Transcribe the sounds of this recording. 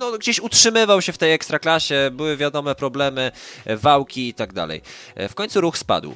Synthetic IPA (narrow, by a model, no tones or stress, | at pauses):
nɔɡd͡ʑeɕutʂɘmɘvawɕɛft̪ɛjɛkst̪ɾaklaɕɛbɘwɘvʲjad̪ɔmɛpɾɔblɛmɘvawkʲiit̪aɡ̚d̪a̰lɛ̰jfkɔɲʲt̪suɾuxspa̰d̪w